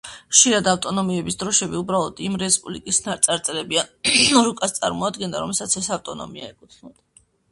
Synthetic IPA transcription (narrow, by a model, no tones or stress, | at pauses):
χʃiɾad̪aft̪ʼɔnɔmiɛbisd̪ɾɔʃɛbiubɾalˠɔd̪̥imɾɛspʼublḭkʼisnaɾt̪sʼaɾt̪sʼɛɾɛbiaɾukʼast̪sʼa̰ɾmɔad̪ɡɛnd̪a̰ɾɔmɛlˠsat̪sʰɛsaft̪ʼɔnɔ̰mia̰ɛkʼut̪ʰnɔd̪a